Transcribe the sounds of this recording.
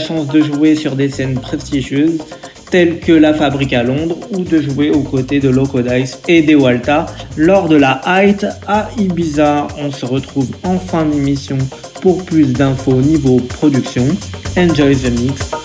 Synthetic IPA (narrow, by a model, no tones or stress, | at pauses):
ʃɑ̃sd̪əʒuesyʁd̪esɛnpχɛst̪iʒjøz | t̪ɛlkəlafabʁikalɔ̃d̪ʁud̪əʒueokot̪ed̪əlɔkod̪ajsed̪ewalt̪alɔʁd̪əlaʔajt̪aibizaʁɔ̃səʁət̪χuvɑ̃fɛ̃d̪emisjɔ̃ | puʁplys̬d̪ɛ̃foːnivopχɔd̪yksjɔ̃ɛ̃nd͡ʒɔjzmit̪